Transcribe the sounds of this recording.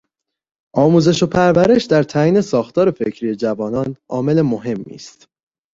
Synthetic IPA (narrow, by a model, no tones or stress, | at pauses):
ʔɒːmuːze̞ʃo̞pʰæɾvæɾe̞ʃd̪æɾt̪ʰæːiːne̞sɒːxt̪ʰɒːɾe̞fecʰɾiːje̞d͡ʒævɒːnɒːnʔɒ̰ːme̞le̞moɦe̞mːḭːst̪